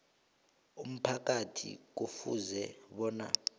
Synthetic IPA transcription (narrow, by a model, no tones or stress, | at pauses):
um̩pʰak̬ʼatʰḭk̬ufṵzɛɓɔːna̰